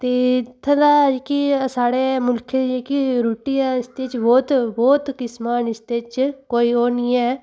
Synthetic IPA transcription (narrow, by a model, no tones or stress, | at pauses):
t̪eːt̪ʰːəlaːd͡ʒkisaːɽeːmʊlkʰeekiɾuːʈiːɛɪst̪eːt͡ʃbɔːt̪bɔːt̪kɪsmaːnɪst̪eːt͡ʃkoːioːnĩɛː